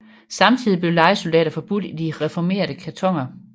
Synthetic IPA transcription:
sɑ̈mt͡sʰið̞̰ˠib̥le̝ʊlɑ̈ɪsuld̥ɛ̰ːɾɐfɒ̽b̥ud̥id̥iʁɛfɒme̝̰ːɐdəkʰæt͡sʰɒ̽ŋ̰ɐ

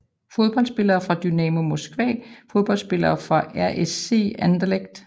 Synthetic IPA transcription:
fo̝ð̞ˠb̥ɒ̽l̰sb̥e̝lɐːfʁɑ̈d̥ynɛmo̝mosɡ̥ʋɛ̰ːfo̝ð̞ˠb̥ɒ̽l̰dsb̥e̝lɐːfʁɑ̈ʔæɐ̰ʔese̝̰ːænd̥leɡ̥̚d̥

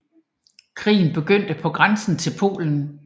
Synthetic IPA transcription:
kʰʁḭːn̩b̥e̝ɡ̥øn̰d̥əpʰɒ̽ɡ̥ʁansn̩t͡sʰe̝lpʰo̝̰ːln̩

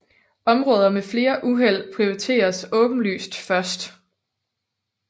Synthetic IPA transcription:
ɒ̽mʁɔ̽ːð̞ˠɐmefle̝ːɐʔuɦel̰pʰʁioit͡sʰe̝̰ːɐsɔ̽b̥n̩ly̰ːsd̥fɶɐsd̥

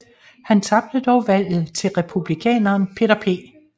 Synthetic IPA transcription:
hænt͡sʰɑ̈b̥̚d̥əd̥ɒʊʋæl̰ð̩ˠt͡sʰe̝lʁɛpʰub̥likʰɛ̰ːnɐːnpʰe̝ɾ̥ɐpʰe̝̰ː

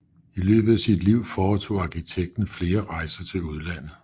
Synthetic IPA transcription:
ilø̰ːb̥ð̩ˠæsid̥liʊ̰fɒːt͡sʰo̝̰ːɑ̈kʰit͡sʰeɡ̥̚d̥n̩fle̝ːɐʁɑ̈ɪsɐt͡sʰe̝luð̞ˠlæn̰ð̩ˠ

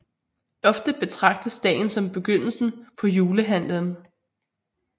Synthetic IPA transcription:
ɒ̽fd̥əb̥e̝t͡sʰʁɑ̈ɡ̥̚d̥əsd̥ɛ̰ːɪn̩sɒ̽mb̥e̝ɡ̥øn̰l̩sn̩pʰɒ̽juːləɦæn̰lən̩

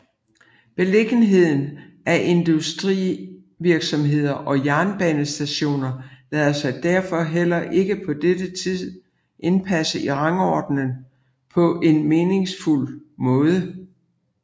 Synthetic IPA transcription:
b̥e̝le̝ɡ̥ən̩ɦe̝ð̞̰ˠn̩ | æʔe̝nd̥usd̥ʁḭ | ʋiɐɡ̥sɒ̽mɦe̝ð̞̰ˠɐʔɒ̽jæɐnb̥ɛnəsd̥æɕo̝̰ːnɐlɛːðˠɐsɑ̈ɪd̥æɐfɒ̽ɦel̰ɐʔe̝ɡ̥əpʰɒ̽d̥ed̥ət͡sʰið̰ˠ | ʔe̝npʰæsəiʁɑ̈ŋɒd̥nən | pʰɒ̽ʔe̝nme̝ːne̝ŋsful̰mɔ̽ːð̞ˠə

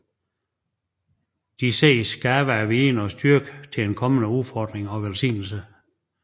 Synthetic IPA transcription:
d̥isḛɪsɡ̥æːb̥əæʋeːnɒsd̥yɐɡ̥ət͡sʰe̝enkʰɒ̽mənəufɒd̥ʁeŋɒ̽ʋelsḭːnl̩sə

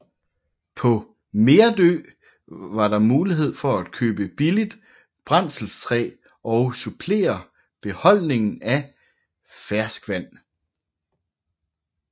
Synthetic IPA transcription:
pʰɒ̽ | me̝ːɐd̥ø̰ː | ʋɑ̈ɾɑ̈muːliɦe̝ð̞̰ˠfɒ̽æd̥̚kʰøːb̥əb̥ilid̥ | b̥ʁɑn̰sl̩st͡sʰʁɛ̰ː | ʔɒ̽ʊsupʰle̝̰ːɐ | b̥e̝hɒ̽l̰ne̝ŋn̩æ | fæɐsɡ̥ʋæn̰

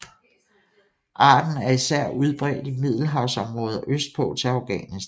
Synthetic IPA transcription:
ʔɑ̈ːd̥n̩æɐisæɐ̰uð̞ˠb̥ʁɛ̰ːd̥imið̞̰ˠl̩ɦɑ̈ʊsɒ̽mʁɔ̽ːð̞ˠɐʔøsd̥̚pʰɔ̰̽ːt͡sʰe̝ɑʊɡ̥ɛ̰ːnisd̥

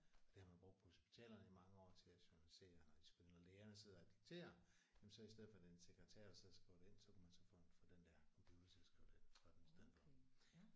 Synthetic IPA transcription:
ɒd̥e̝hɑ̈mænb̥ʁoɡ̥̚pʰɒ̽ho̝sb̥i̥t͡sʰɛ̰ːlɐnəimɑ̈ŋəɒ̰ːt͡sʰe̝læɕonælise̝̰ːnɑd̥isɡ̥uenɒleːɐnəse̝ð̞̰ˠɐːd̥iɡ̥̚t͡sʰe̝̰ːɐjemn̩sɒ̽isd̥eð̞̰ˠfɒd̥enseɡ̥ʁɛt͡sʰæɐ̰̥ɐseðˠɐsɡ̥ʁiʊd̥een̰sɒkʰumænsɒfofɒd̥end̥æɐkʰɒmpʰj̥uːðˠt͡sʰesɡ̥ʁiʊd̥eensɒd̥emisd̥eð̰ˠfɒ̽

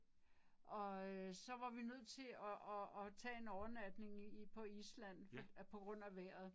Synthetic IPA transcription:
ʔɒ̽sɒ̽ʋɑ̈ʋinøð̞̰ˠt͡sʰe̝ɒːt͡sʰɛ̰ːe̝nɒʊɐnæd̥ne̝ŋipʰɒ̽islæn̰pʰɒ̽ɡ̥ʁɔ̽n̰æʋæɐ̰ð̞̩ˠ

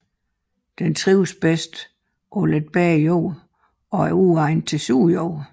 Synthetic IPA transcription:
d̥ent͡sʰʁiʊsb̥esd̥ | ʔoled̥̚b̥ɛjoʊ | ɒ̽æɐuɑ̈ɪnt͡sʰe̝suːjoʊ̰

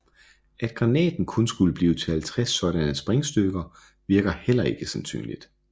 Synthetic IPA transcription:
æd̥ɡ̥ʁɑ̈nɛ̰ːd̥n̩kʰɔ̽nsɡ̥uləb̥liːʊt͡sʰe̝ælt͡sʰʁɛsːɒ̽d̥ænæ̥sb̥ʁɛŋsd̥øɡ̥ɐ | ʋiɐɡ̥ɐhel̰ɐe̝ɡ̥əsænsy̰ːnlḭd̥

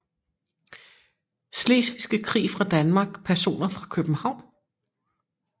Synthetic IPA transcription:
sleːsʋisɡ̥əkʰʁḭːfʁɑ̈d̥ænmɑ̈ːɡ̥pʰæɐso̝̰ːnɐfʁɑ̈kʰøb̥m̩hɑ̈ʊ̰n

